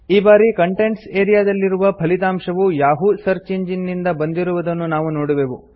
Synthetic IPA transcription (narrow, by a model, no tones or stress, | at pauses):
iːbaːɾikɐɳʈeɳʈseːɾijaːd̪ɐlːiɾuʋɐpʰɐlit̪aːmʂɐʋujaːɦusɐɾt͡ʃeɲd͡ʒinːind̪ɐbɐnd̪iɾuʋud̪ɐnːunaːʋunoːɽuʋeːʋu